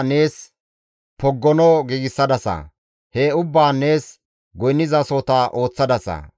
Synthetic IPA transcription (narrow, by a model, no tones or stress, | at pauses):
ne̞ːs | pɔɡːɔnɔɡiːɡɪsːɐd̪ɐsɐ̰ | heʊbːaːneːs | ɡɔjnːɪzɐsoːt̪aʔo̞ːt͡sːɐd̪ɐsɐ̰